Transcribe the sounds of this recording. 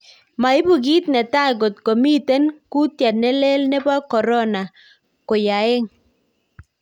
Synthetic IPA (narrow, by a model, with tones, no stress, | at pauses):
ma˨ɪ˦bu˨ɡi˦t̪nɛ˨ta˦ɡo˨t̪̚kɔ˨mi˦t̪ɛ˦nku˦t̪ja˨nɛ˦le˦lnɛ˦ba˦kɔ˨ɾɔ˦na˨ | kʊ˨ja˨ɪ˦ŋ